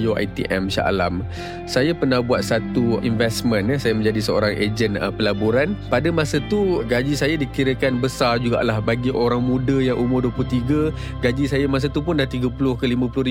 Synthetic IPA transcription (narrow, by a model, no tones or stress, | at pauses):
joa̰t̪ḭʔɛ̰msa̰ʔa̰lam | sajapənahbuat̪̚sat̪uinvɛsmənsajamə̃ɲd͡ʒadisəo̰ɾaŋʔḛd͡ʒənəpəlabuɾanpadəmasət̪uɡad͡ʒisajadikiɾəkanbəsard͡ʒuɡa̰ʔlahbaɡiʔoɾaŋmũdəjaŋʔumʊrduəplʊt̪iɡə | ɡad͡ʒisajamas̬at̪up̬ʊndat̪iɡəpulʊhkəlimə̃pulʊhri